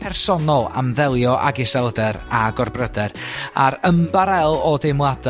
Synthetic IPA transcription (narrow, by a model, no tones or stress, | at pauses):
pʰɛrsɔnɔlˠa̰mðɛlˠjɔʔa̰ɡɪsɛlˠdɛɾaɡɔrbrədɛɾaɾəmbaɾɛlˠɔdɪmwad